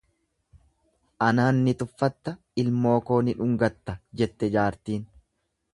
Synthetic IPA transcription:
ʔɐnaːnːɪt̪ʊfːɐt̪ːɐ | ɪlmo̞ːko̞ːnɪᶑʊŋɡɐt̪ːɐd͡ʒɛt̪ːɛd͡ʒaːɾt̪iːn

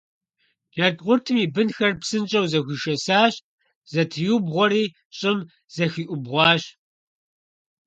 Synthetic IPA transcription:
jɐdʁʷʊrtʰɨmiːbɨnxɐrpsɨnt͡ʃʼɐwzɐxʷʊʃɐsaːɕ | z̥ɐtʰɨjubʁʷɔɾiː | ɕʼɪm | z̥ɐxiːʔʷʊbʁʷɑːɕ

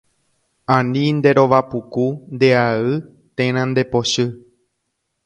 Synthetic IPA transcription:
ãnĩnd̪e̞ɾo̞ʋapukund̪e̞aɨ | t̪ẽɾ̃ãnd̪e̞po̞ʃɨ

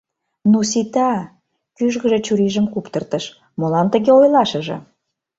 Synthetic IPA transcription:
nusit̪ɑ | kyʒɣə̆ʒĕt͡ɕuɾiʒə̆mkupt̪ə̆rt̪əʃ | molɑnt̪ə̆ɣeojlɑʃə̆ʒɤ̰̆

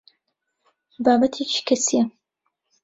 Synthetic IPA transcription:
baːbɐt̪ʰet͡ʃi̥kʰɐsijɐ

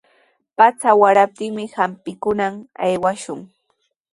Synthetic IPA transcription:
pat͡sawaɾap̚t̪ɪŋmɪhampɪkʊnama̰jwaʃʊŋ

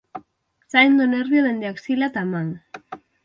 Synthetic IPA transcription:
sajnd̪oneɾβioðe̞nd̪eaksilat̪amaŋ

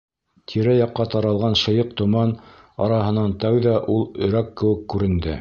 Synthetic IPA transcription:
t̪ʰiɾæjɑqːɑt̪ɑɾɑlˠʁɑnʃɤ̆jɤq̚t̪ŏmɑn | ɑ̰ɾɑɦɤ̆nɑnt̪æwðæʔulˠɵ̆ɾækːɘ̆wɘ̆kːʉɾɘ̆nd̪ɘ

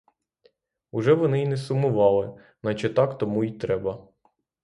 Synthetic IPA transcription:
ʊʒɛʋɔnɪinɛsʊmʊʋɑlˠɪ | nɐt͡ʃɛt̪ɑkt̪ɔmuit̪ɾɛbɐ

